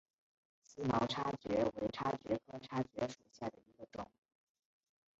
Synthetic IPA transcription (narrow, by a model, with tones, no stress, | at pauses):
sɹ̩˥mɑ˧˥ʊʈ͡ʂʰa˥t͡ɕɥɛ̰˧˥we˧˥ɪʈ͡ʂʰa˥t͡ɕɥɛ˧˥kʰɤ˥ʈ͡ʂʰa˥t͡ɕɥɛ˧˥ʂu˨˩ɕja˥˩d̪ə˩i˧˥ɡə˧ʈ͡ʂʊ̰˨˩˦ŋ